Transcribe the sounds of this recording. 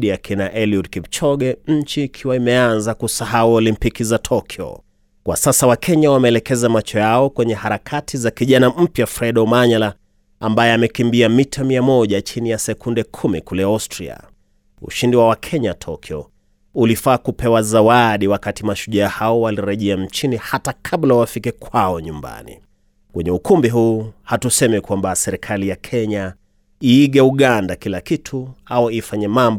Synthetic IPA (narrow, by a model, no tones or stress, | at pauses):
ɗiakʰinaʔɛliud̚kivt͡ʃɔɠɛɲ̩t͡ʃiːkʰiwaimɛanzakusahauɔlimpikizatʰɔkʰiɔ̰ | kwa̰sasawakʰɛɲawamɛɛlɛkɛzamat͡ʃɔjaɔkwɛɲɛhaɾakʰatʰizakiʄanam̩pjafɾɛɗɔmaɲala | ambajɛamɛkimbiamitʰamiamɔʄat͡ʃinijasɛkundɛkʰumikulɛastɾia̰ | ṵʃindiwawakʰɛɲatʰɔkʰiɔ | ulifaːkupɛwazawaɗiwakatimaʃuʄaːhaɔwaliɾɛʄɛam̩t͡ʃinihatakʰaɓlawafikɛkʰwaɔɲumba̰nḭ | kwɛɲɛukumbiɦuːhatusɛmikwambasɛɾikʰalijakʰɛɲa | iːɠɛuɠandakilakitʰuaɔifaɲɛmamb